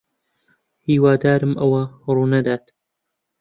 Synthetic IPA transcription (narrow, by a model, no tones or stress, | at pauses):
hiːwaːd̪aːɾɨmʔɐwɐruːnɐd̪aːt̪